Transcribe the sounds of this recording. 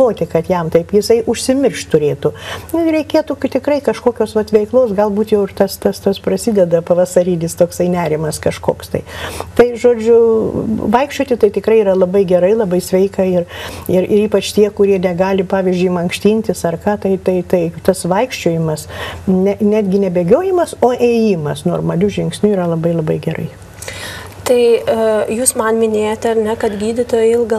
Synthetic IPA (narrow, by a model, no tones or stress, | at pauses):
oːt̪ʲɪkɐt̪jɛmt̪ɐɪpjɪsɐɪʔʊʃʲsʲɪmʲɪrʃtt̪ʊɾʲeːt̪ʊʊɾʲɛɪkʲeːt̪ʊkt̪ʲɪkɾɐɪkɐʃkoːkʲoːsʋɐt̪ʋʲɛɪklˠoːsɡɐlˠbuːt̪jɛʊɪrt̪ɐst̪ɐst̪ɐsprɐsʲɪd̪ʲɛd̪ɐpɐʋɐsɐɾʲiːnʲɪst̪oːksɐɪnʲæːɾʲɪmɐskɐʃko̰ːkst̪ɐ̰ɪt̪ɐɪʒoːd͡ʒʲʊ | ʋɐɪkʃʲt͡ʃʲoːt̪ʲɪt̪ɐɪt̪ʲɪkɾɐɪiɾɐlˠɐbɐɪɡʲɛɾɐɪlˠɐbɐɪsʲʋʲɛɪkɐɪrɪɾɪɾiːpɐt͡ʃt̪ʲiɛkʊɾʲiɛnʲɛɡɑːlʲɪpɑːʋʲizʲd͡ʒʲʊɪmɐŋkʃʲt̪ʲiːnʲt̪ʲɪsɐrkɑːt̪ɐɪt̪ɐɪt̪ɐɪt̪ɐsʋɐɪkʃʲt͡ʃʲoːjɪmɐsnʲɛnʲæːd̪ʲɡʲɪnʲɛbʲeːɡʲoːjɪmɐsoːʔeːjiːmɐsnoːrmɐlʲʊʒʲɪŋksʲnʲuiːɾɐlˠɐbɐɪlˠɐbɐɪɡʲɛrɐ̰ɪ | t̪ɐɪjuːsmɐnmʲɪnʲeːjot̪ʲɐɾnʲɛkɐt̪ɡʲiːdʲɪt̪oːjɪlˠɡɐ